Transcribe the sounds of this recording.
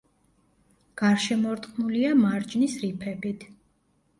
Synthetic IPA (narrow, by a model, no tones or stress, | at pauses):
ɡ̥aɾʃɛmɔɾt̪ʼqʼnuliamaɾd͡ʒnisɾipʰɛbit̪ʰ